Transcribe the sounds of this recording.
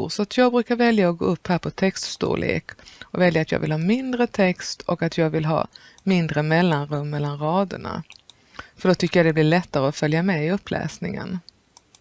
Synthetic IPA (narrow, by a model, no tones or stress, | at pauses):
sɔat̪ʰjɑːɡ̚bɾʉ̟ːkaɾvɛljaɔɡo̰ːɵpːhæːɾpʰɔt̪ʰɛkst̪st̪ṵːlɭḛːkɔvɛljaːt̪jɑ̰ːɡvɪlhɑːmɪnd̪ɾət̪ʰɛkst̪ʰɔkat̪jɑːɡvɪlɦɑ̰ː | mɪnd̪ɾəmɛlːanɾɵmːɛlːanɾɑːd̪ə̰ɳa̰ | fœɖɔt̪ʰʏkːəjad̪ɛblɪɭɛt̪ːaɾəɔfœljamɛɪɵpːlɛ̰ːsnɪŋə̰n